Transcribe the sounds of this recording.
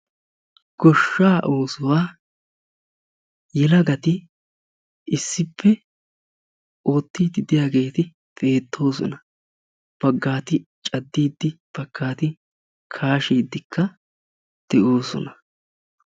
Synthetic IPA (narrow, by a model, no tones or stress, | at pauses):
ɡ̥ɔʃːaːʔoːsʊwaː | jɛlɐɡɐt̪ɪ | ɪsːɪpʰːɛ | o̞ːt̪ːiːd̪ɪd̪ɪjaːɡe̞ːt̪ɪ | fʼe̞ːt̪ʰːo̞ːsɔ̰nɐ | b̥ɐɡːaːt̪ɪt͡ʃʼɐd̪ːiːd̪ːɪb̥ɐɡːaːt̪ɪ | kʰaːʃiːd̪ːɪkʰːɐ | d̪̥ɛʔo̞ːsɔ̰nɐ